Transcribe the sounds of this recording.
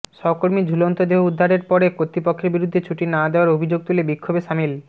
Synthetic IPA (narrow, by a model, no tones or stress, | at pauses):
ʃɔkoɾmid͡ʑʱulont̪od̪eɦoud̪ʱːaɾeɾpɔɾekot̪ːɾipokʰːeɾbiɾud̪ʱːet͡ɕʰuʈinad̪eoaɾobʱid͡ʑoɡ̚t̪ulebikʰːobeʃamil